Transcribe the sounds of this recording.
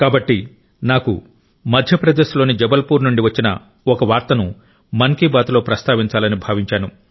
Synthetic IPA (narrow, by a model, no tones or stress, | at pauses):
kaːbɐʈːi | naːkṵ | mɐd̪ʱjɐpɾɐd̪eːʃulo̞ːnid͡ʒɛbɐlpuːɾnuɳɖiʋɐt͡ʃːinɐ̰ | ɔkɐʋaːɾt̪ɐnu | mɐŋkiːbaːt̪lo̞ːpɾɐst̪aːʋiɲt͡ʃaːlɐnibʱaːʋiɲt͡ʃaːnu